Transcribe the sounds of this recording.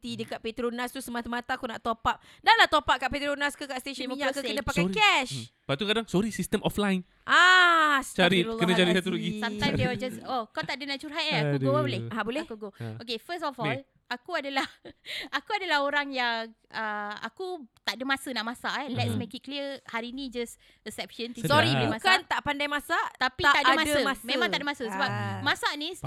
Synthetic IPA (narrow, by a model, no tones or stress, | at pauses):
t̪idəkaʔ̪̚pet̪ɾonãst̪usəmat̪amat̪aːkunaʔt̪opap̚ | daʔlat̪opaʔ̚kaʔpet̪ɾonaskukaʔst̪eʃənmoɲaakukənə̃pakakɛʃb̥at̪ukadaŋsɔɾisist̪əmʔɔflajn | ʔast͡ʃaɾilkənãt͡ʃaɾisat̪uloɡiat̪ajdewəd͡ʒasokat̪aʔdənaʔt͡ʃuɾɦat̪ɛakuɡobolɛabolɛhahkuɡookefəstɔfɔl | ʔakuadəlahakuadəlahoɾaŋjaŋəa̰kut̪aʔdəmasənaʔmasaʔɛlɛtsmekit̪̚kliəhaɾiinĩd͡ʒas | əsɛp̚ʃənt̪isɾiumaskant̪aʔpandajmasaʔt̪apit̪aəmasəmẽmãŋaʔdəmasəsəbap̚masaʔnis